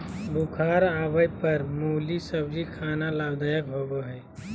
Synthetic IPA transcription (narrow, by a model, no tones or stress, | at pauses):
bukʰaːɾaːʋəjpəɾmoːlisəbd͡ʒikʰaːnalaːbd̪aːjəkɦoːɡoɦɛː